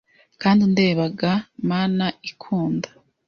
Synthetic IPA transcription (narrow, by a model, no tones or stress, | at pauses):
kaːndinde̞ːβaɡamaːnaikʰuːndḁ